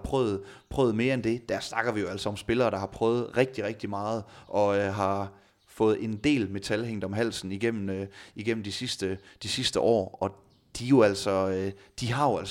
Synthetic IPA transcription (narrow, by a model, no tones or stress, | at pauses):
pʰʁœːð̩ˠpʰʁœ̰ːð̩ˠme̝ːɐend̥e̝d̥æɐsnɑ̈ɡ̥ɐʋijo̝æl̰sɒɒ̽msb̥e̝lɐːɾ̥ɑ̈hɑ̈pʰʁœːʊð̩ˠʁɛɡ̥̚d̥iʁɛɡ̥̚d̥imɑ̈ːð̩ˠʔɒ̽ɦɑ̈ | fɔ̽ːð̩ˠe̝nd̥e̝̰ːlme̝t͡sʰælɦeŋ̰d̥ɒ̽mɦæl̰sn̩iɡ̥en̰m̩iɡ̥en̰m̩d̥isisd̥əd̥isisd̥əʔɒ̰ːɒ̽ | d̥ijo̝æl̰sɒød̥iɦɑ̈jo̝æl̰